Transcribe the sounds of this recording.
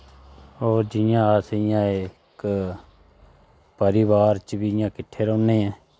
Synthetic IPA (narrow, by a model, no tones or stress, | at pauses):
oːɾd͡ʒɪjãːaːsɪjãːe | k | pəɾɪːʋaːɾt͡ʃbiːɪjãːkɪʈʰːeːɾoːneːɛ̃ː